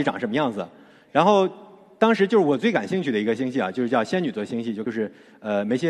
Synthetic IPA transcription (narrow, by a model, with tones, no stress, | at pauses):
ʈ͡ʂɑ˨˩˦ŋʂə˧˥mə˧jɑ˥˩ŋd͡zɹ̩̰˩ | ɻa˧˥nxo˥˩ʊ | t̪ɑ˥ŋʂɻ̩˧˥t͡ɕo˥˧ʊʂɻ̩˥˩wɔ˨˩t͡swe˥˩ɪka˨˩nɕi˥˧ŋt͡ɕʰy˥˩d̪ə˩i˧˥ɡə˧ɕi˥ŋɕi˥˩ɐ̰˨˩t͡ɕjʊʂɻ̩˥˧t͡ɕjɑ˥˧ʊɕjɛ˥ny˨˩t͡swɔ˥ɕi˥ŋɕi˥˧t͡ɕjo˥˧ʊʂɻ̩˥˩ | ə˧me˧˥ɪɕjɛ˥